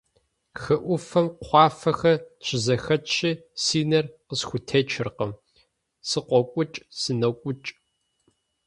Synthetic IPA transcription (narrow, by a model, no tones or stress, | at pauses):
xɐʔʷʊfɐmqʷɑːfɐxɐɕʰʼɪzɐxɐt͡ʃʰɪsiːnɐrqəsxʷʊtʰet͡ʃʰɪrqəm | sɨqʷɔkʷʼʊt͡ʃʼsɨnɐkʷʼʊt͡ʃʼ